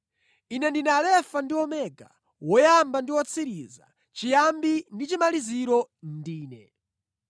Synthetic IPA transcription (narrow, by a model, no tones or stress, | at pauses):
inɛndinalɛfandiwɔmɛːɡa | wɔjambandiwɔt͡sʰiɾiza̰ | t͡ʃijambindit͡ʃimaliziɾɔndiːnɛ̰